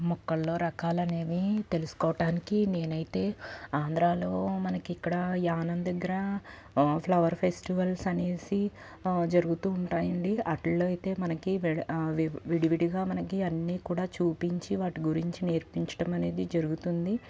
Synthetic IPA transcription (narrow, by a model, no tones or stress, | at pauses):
mɔkːɐɭːo̞ːɾɐkaːlɐne̞ːʋit̪e̞lusu̥kɔːʋɐʈaːnikine̞ːnɐjit̪e̞ːaːnd̪ɾaːlo̞ːmɐnɐkiikːɐɽɐjaːnɐnd̪ɐɡːɐɾɐ | pʰlɐʋɐɾpʰesʈiʋɐlsɐne̞ːsi | d͡ʒɐɾuɡut̪uːɳʈaːjɐɳɖiʔɐʈllːɐjt̪e̞ːmɐnɐkiʋʋʋiɽiʋiɽiɡaːmɐnɐkiɐnːiːkuːɽaːt͡ʃuːpiɲt͡ʃiʋaːʈiɡuɾiɲt͡ʃine̞ːɾpiɲt͡ʃɐ̥ʈɐmɐne̞ːd̪id͡ʒɐɾuɡut̪und̪i